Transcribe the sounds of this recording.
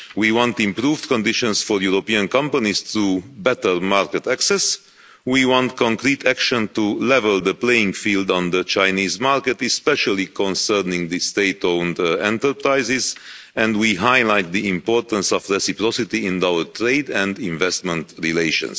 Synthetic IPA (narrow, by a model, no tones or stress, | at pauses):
wiwɔ̃nt̪ĩmpɾuːvd̪kɔ̃nd̪iʃɔ̃nsfɔɾjuɾopiãnkʌ̃mpanist̪ɾuːbɛt̪əɹmaɹkɛt̪æksɛs | wiwɔ̃nt̪kʰɔ̃ŋkɾiːt̪ʰækʃɔ̃nt̪ulɛvəld̪əplejĩŋɡfiːld̪ɔ̃nd̪ət͡ʃaɪniːzmaɾkɛt̪ɛspɛʃalikɔ̃nsɛɾnĩŋd̪ist̪eɪt̪õʊndɛ̃nt̪əɾpɾaɪzɪz | ɛ̃nd̪wiɦajlajt̪̚d̪iĩmpɔːɾt̪ə̃nsɔfɹɛsipɾɔsit̪iɪ̃nawəɹt̪ʰɾeɪd̪ɛ̃nd̪ĩɱvɛst̪mɛ̃nt̪ɹileʃɔ̰̃ns